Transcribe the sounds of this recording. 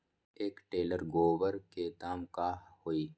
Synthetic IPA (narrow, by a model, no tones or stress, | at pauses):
eːkʈeːləɾɡoːʋəɾket̪aːmkaːhhoːiː